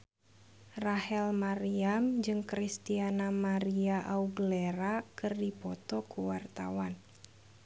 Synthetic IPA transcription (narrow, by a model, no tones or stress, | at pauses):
rahɛlmaɾiamd͡ʒɨŋkɾist̪ianamaɾiaʔauɡəlɛɾakɨrdipɔt̪ɔkuwart̪a̰wan